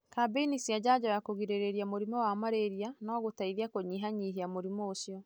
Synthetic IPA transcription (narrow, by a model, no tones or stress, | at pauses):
kabenisiad͡ʑad͡ʒɔjakoɣiɾeɾeɾiamoɾimɔwamaɾeɾianɔːɣotaiðiakoɲiːɦaɲiɦiamoɾimɔːsiɔ